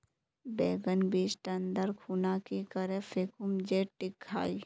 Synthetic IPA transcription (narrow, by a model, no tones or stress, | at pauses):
beːɡənbiːd͡ʒʈɐ̃nd̪əɾkʰuːnakikəɾefʰeːkumd͡ʒeːʈːɪkʰːa̰ːi